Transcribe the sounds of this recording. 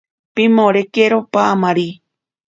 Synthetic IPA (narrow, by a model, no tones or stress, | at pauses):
pimõɾekeɾopaamãɾi